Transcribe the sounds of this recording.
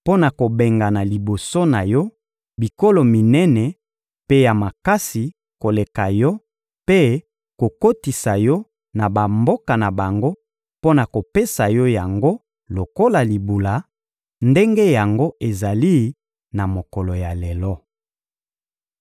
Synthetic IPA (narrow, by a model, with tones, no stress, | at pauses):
po˦na˨ko˨be˨ŋɡa˨na˨li˨bo˨so˦na˨jɔ˦ | bi˨ko˦lo˨mi˨nɛ˦nɛ˨ | pe˦ja˨ma˨ka˦si˨ | ko˨le˨ka˨jɔ˦ | pe˦ | ko˨ko˦ti˨sa˨jɔ˦ | na˨ba˨mbo˦ka˨na˨ba˨ŋɡo˦ | po˦na˨ko˨pe˦sa˨jɔ˦ja˨ŋɡo˦ | lo˨ko˦la˨li˨bu˨la˨ | nde˦ŋɡe˦ja˨ŋɡo˦e˨za˨li˦ | na˨mo˨kɔ˨lo˨ja˨lɛ˨lɔ˦